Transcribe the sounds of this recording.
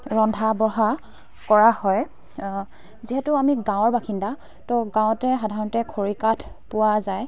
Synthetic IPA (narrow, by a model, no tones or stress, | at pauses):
ɹɔndʱabɔɦa | kɔɹahɔj | ziɦɛtʊamiɡãw̃ɔɹbaxinda | tɔɡãw̃tɛxadʱaɹɔntɛkʰoɹikatʰ | pʊazaj